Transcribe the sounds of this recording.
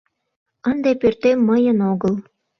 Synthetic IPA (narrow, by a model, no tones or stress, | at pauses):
ənd̪epørt̪emːəjə̆noɣəl